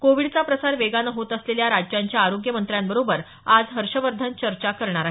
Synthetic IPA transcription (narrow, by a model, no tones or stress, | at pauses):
koʋiɽt͡sapɾəsaɾʋeɡanəɦot̪əsleljaɾad͡ʑjaɲt͡ɕjaːɾoɡjəmənt̪ɾjambəɾobəɾ | ad͡zɦəɾʂəʋəɾd̪ʱant͡ɕəɾt͡ɕakəɾɳaɾaɦ